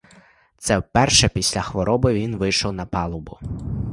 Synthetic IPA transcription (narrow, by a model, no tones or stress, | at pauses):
t̪sɛwpɛrʃɛpʲisʲlʲɐxʋɔɾʔɔbɪʋʲinʋɪjʃɔwnɐpɑlˠʊbʊ